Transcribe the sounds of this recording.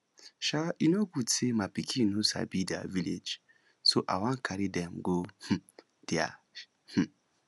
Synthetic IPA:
ʃainokutʰemapikʰĩnusa̰bida̰viled͡ʒ | soʔa̰wãkʰaɾidɛm̩ɡoh̩ | d̥ia̰ | h̩

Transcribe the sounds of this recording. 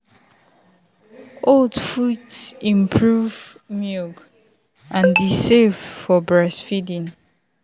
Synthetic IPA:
oldfudsĩmpʰɹuvmuɡ | ʔãndisev̥fɔbɹɛsfidĩn

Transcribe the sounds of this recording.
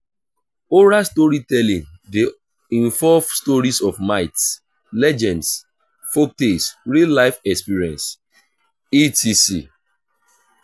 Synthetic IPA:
oɹastɔɹitɛlĩnde | ĩɱvɔvstɔɹisɔfmaɪts | lɛd͡ʒɛ̃nds | fok̚tesɹilaɪfɛkspiɹiɛ̃ns | itʰisi

